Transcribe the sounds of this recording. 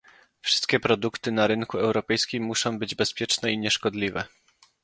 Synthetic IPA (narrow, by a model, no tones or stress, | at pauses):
fʂɘst̪̚kʲɛpɾɔd̪ukt̪ɘnaɾɘŋkuɛwɾɔpɛjskʲimːuʂɔ̃w̃bɘd͡ʑbɛspʲjɛt͡ʂnɛiɲɛʂkɔd̪lʲivɛ̰